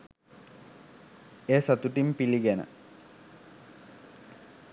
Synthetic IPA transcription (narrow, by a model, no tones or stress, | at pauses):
eːsat̪uʈimpiliɡænə̰